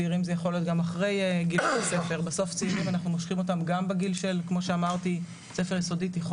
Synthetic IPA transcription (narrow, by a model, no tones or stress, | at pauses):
iʁimzejaχolijo̞t̬̚ɡamaχʁe̞jɡilelase̞fe̞ʁbeso̞ft͡siiʁimanaχnumoʃχimo̞tamɡambeɡilʃelkmo̞ʃeamaʁti | se̞fe̞ʁjiso̞ditiχ